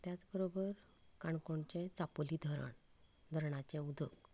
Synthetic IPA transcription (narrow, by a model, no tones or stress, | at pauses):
t̪jat͡sbəɾobəɾ | kaɳkoɳt͡ɕɛ̃t͡sapoliːd̪ʱəɾə̰ɳ | d̪ʱəɾɳat͡ɕɛ̃ud̪ʱək